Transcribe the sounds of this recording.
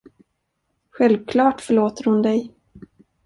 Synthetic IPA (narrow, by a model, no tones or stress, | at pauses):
ɧɛlvkʰlɑːʈfœɭoːt̪əɾhʊnd̪ɛj